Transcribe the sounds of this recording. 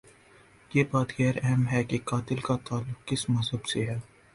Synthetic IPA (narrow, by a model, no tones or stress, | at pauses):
jeːbaːt̪ɣɛːɾɛɦmɦɛkekaːt̪ɪlkat̪aːlːʊqkɪsmɐzɦəbseɦɛː